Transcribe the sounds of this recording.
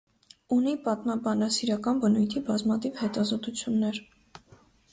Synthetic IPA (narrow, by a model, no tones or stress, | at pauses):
unipɑt̪mɑbɑnɑsiɾɑkɑnbənujt̪ʰibɑzmɑt̪ʰivhɛt̪ɑzɔt̪ut͡sʰjunːɛɾ